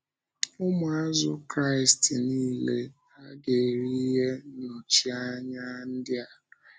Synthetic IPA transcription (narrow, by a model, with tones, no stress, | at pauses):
ʊ˦mʊ˨a˦zʊ˦kɾa˦˨ɪ˨stniː˦le˦ | a˦ɡe˨ɾi˦ɦe˦nʊ˨t͡ʃi˦a˦ɲa˦n̩˦dɪ˦a˨